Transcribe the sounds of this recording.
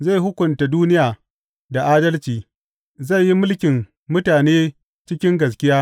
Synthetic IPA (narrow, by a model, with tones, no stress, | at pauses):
za˦˨ɦʊ˦kʷʊ˨nta˨duː˦nɪ˦jaː˨ | da˨ʔaː˦dɐ˦lt͡ʃiː˨ | za˦˨jːi˦mʊ˦lkʲɪ˨m | mʊ˦taː˨neː˦ | t͡ʃɪ˦kʲɪ˦ŋɡɐ˨s̬kʲɪ˦jaː˦